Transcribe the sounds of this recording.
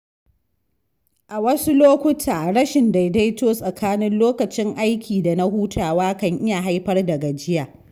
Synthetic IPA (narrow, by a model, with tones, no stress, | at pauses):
ʔa˨wɐ˦su˦loː˦kʷʊ˦tʰaː˨ɽɐ˦ʃɪ˨nda˨jda˦jtoː˦sʼɐ˨kʰaː˦nɪ˦nloː˦kɐ˨t͡ʃɪ˦ŋʔa˦jkʲʰiː˨da˨na˦huː˦tʰaː˨waː˦kɐ˦ŋʔɪ˦ja˨ɦa˦jɸɐ˦rdɐ˨ɡa˨d͡ʒɪ˦jaː˨